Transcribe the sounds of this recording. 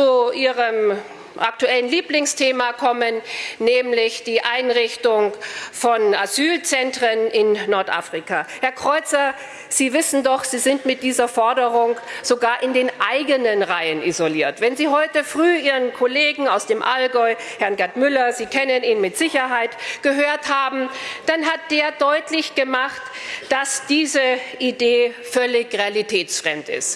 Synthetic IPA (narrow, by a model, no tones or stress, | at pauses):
t͡suʔiːʁəm | ʔa̰k̚tuɛlənliːplɪŋstʰeːmakʰɔmənːɛːmlɪçd̥iːʔaɪnʁɪçtʊŋfɔnʔazyːlt͡sɛntʁ̥ənɪnːɔɐtʔa̰ːfʁ̥ikahɛɐkʁ̥ɔʏt͡sɐ | z̥iːvɪsn̩dɔχz̥iːzɪntmɪt̚d̥iːzɐfɔɐdəʁʊŋz̥oɡaːɐʔɪndeːnʔaɪɡənənʁaɪənʔizoliːɐtv̥ɛnziːɦɔʏtəfʁ̥yːʔiːʁənkʰoleːɡŋ̩aʊsd̥eːmʔalɡɔʏ | hɛɐnɡɛɐtmʏlɐziːkʰɛnəniːnmɪtz̥ɪçɐɦaɪtɡ̥əɦøːɐthaːbm̩d̥anɦat̚d̥eːɐdɔʏtlɪçɡ̥əmaχtd̥asd̥iːzəideːfœlɪçʁealitʰɛːt͡sfʁ̥ɛmtɪ̰st